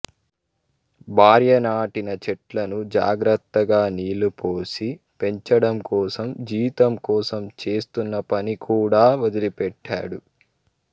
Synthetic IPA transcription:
bʱaːɾjɐnaːʈinɐt͡ʃɛʈlɐnud͡ʒa̰ːɡɾɐt̪ːɐɡaːniːlupoːsi | pe̞ɲt͡ʃɐɽɐmkɔːsɐmd͡ʒiːt̪ɐmkɔːsɐmt͡ʃe̞ːst̪unːɐpɐnikʰuːɽaːʋɐd̪ilipɛʈːa̰ːɽu

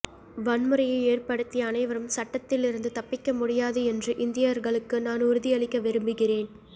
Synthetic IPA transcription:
ʋɐnmɯɾɐjɐɪeːrpɐɽɯt̪ːɪjɐːnɐɪʋɐɾɯmsɐʈːɐt̪ːɪlɪɾɯnd̪ɯt̪ɐpːɪkːɐmʊɽɪjaːðɯɛndrɯʔɪnd̪ɪjɐɾɣɐɭɯkːɯnaːnʊɾɯðɪjɐɭɪkːɐʋɪɾɯmbɯɣɪreːn

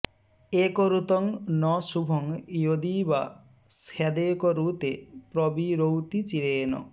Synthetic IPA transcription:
ekɔɾut̪ɔŋnɔsubʱɔŋjod̪iba | sad̪ekɔɾut̪epɾɔbiɾowt̪it͡ʃiɾeːnɔ̰

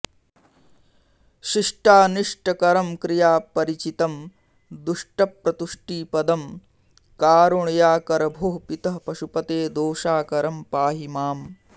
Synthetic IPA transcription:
ʃiʂʈaːniʂʈɐkɐɾɐmkɾijaːpɐɾit͡ʃit̪ɐm | d̪uʂʈɐpɾɐt̪uʂʈiːpɐd̪ɐm | kaːɾuɳjaːkɐɾɐbʱoːɦpit̪ɐɦpɐʃupɐt̪eːd̪oːʃaːkɐɾɐmpaːɦimaːm

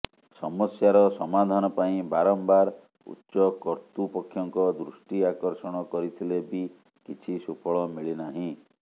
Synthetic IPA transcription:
sɔmɔsjaɾɔsɔmad̪ʱanɔpaĩbaɾɔmbaɾ | ṵtːʃɔkɔɾt̪upɔkʰːjɔŋkɔd̪ɾusʈiakɔɾsɔɽ̃ɔkɔɾit̪ʰilebi | kit͡ʃʰisupʰɔɭɔmiɭinaɦĩ

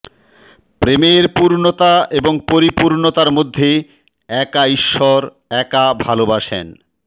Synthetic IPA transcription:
pɾemeɾpuɾnot̪aeboŋpoɾipuɾnot̪aɾmod̪ʱːe | ɛkaiʃːɔɾ | ɛkabʱalobaʃḛn

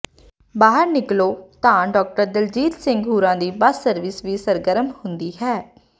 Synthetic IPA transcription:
baːɦəɾnɪkloːt̪ãːɖɔːk̚ʈəɾd̪ɪld͡ʒiːt̪sɪ̃ŋɡɦuːɾãːd̪iːbəsːəɾʋɪsʋiːsəɾɡəɾəmhʊnd̪iːɦɛː

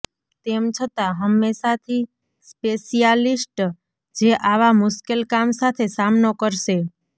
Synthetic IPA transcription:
t̪emt͡ʃʰət̪aɦəmːeʃat̪ʰi | speʃijalisʈ | d͡ʒeʔaʋamʊʃkelkamsat̪ʰesamnokəɾʃe

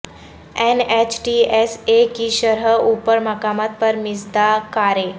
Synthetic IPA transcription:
enet͡ɕʈiesekiʃəɾɦəupəɾməkamat̪̚pəɾmisd̪akaɾe

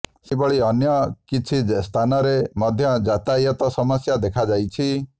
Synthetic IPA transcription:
sibɔɭiɔnjɔkit͡ʃʰist̪ʰanɔɾemɔd̪ʱjɔd͡ʒat̪ajɔt̪ɔsɔmɔsjad̪ekʰad͡ʒajt͡ʃʰi

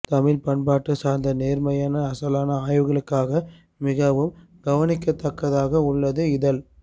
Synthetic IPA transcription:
t̪ɐmɪlpɐɳpaːʈːɯsaːɾnd̪ɐneːɾmɐjaːnɐɐsɐlaːnɐaːjʋɯɣɐɭɯkːaːɣɐ | mɪɣɐʋɯm | ɡɐʋɐnɪkːɐt̪ːɐkːɐðaːɣɐʊɭːɐðɯɪðɐl

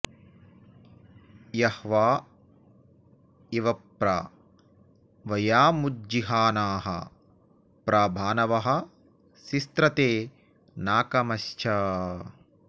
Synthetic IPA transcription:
jɐhʋaː | iʋɐpɾa | ʋɐjaːmud͡ʒiɦaːnaːɦɐ̰ | pɾabʱaːnɐʋɐɦɐ̆ | sist̪ɾɐt̪eː | naːkɐmɐʃt͡ʃʰɐ

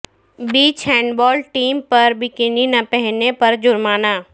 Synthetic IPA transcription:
biːt͡ʃhɛ̃ːɳɖbɔːlɖʈiːmpɐɾbɪkɪninɐpɛɦnepɐɾd͡ʒʊɾmaːnaː

